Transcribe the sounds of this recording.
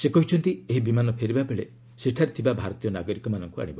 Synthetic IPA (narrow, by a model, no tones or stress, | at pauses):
sekɔɦit͡ʃʰɔnt̪ieɦibimanɔpʰeɾibabeɭe | seʈʰaɾet̪ʰibabʱaɾɔt̪ijɔnaɡɔɾikɔmanɔŋkua̰ɽ̃ibɔ